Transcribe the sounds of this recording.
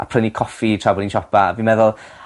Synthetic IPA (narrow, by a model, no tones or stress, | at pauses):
ʔa̰pʰənikʰɔfitʰr̥abɔlˠinʃɔpaa̰vinmɛðʊlˠ